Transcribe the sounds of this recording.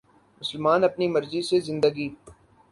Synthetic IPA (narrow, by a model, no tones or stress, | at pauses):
mʊsəlmaːnɐpnimɐɾzisezɪ̃nd̪əɡi